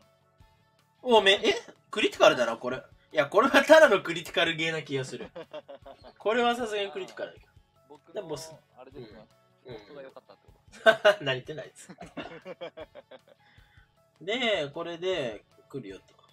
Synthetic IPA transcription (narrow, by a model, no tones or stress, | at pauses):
oːmeʔe | kɯ̟ɾʲit̪i̥kaɾɯ̟d̪anoko̞ɾe | jako̞ɾe̞βat̪ad̪ano̞kɯ̟ɾʲit̪ʲi̥kaɾɯ̟ɡe̞ːnakʲiɡasɨɾɯ̟ | ko̞ɾe̞βas̬asɨɡeɲikɯ̟ɾʲit̪i̥kaɾɯ̟d̪a̰ked̪ | d̪emos | ɯ̟̃ɴ | ɯ̟̃ː | anaɾʲit̪e̞naies | ne̞ko̞ɾe̞d̪e̞kɯ̟ɾɯ̟jo̰t̪ːo̥